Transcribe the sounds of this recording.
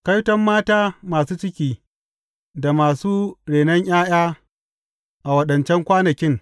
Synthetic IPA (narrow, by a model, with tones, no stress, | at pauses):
kɐ˦jtɐ˦mːaː˦taː˦maː˨suː˦t͡ʃɪ˦kʲiː˦ | da˨maː˨suː˦ɽeː˨nɐ˦ɲʔaː˦j̰aː˦ | ʔa˨wɐ˦ɗɐ˨nt͡ʃɛ˦ŋkʷaː˦nɐ˨kʲɪ˦ŋ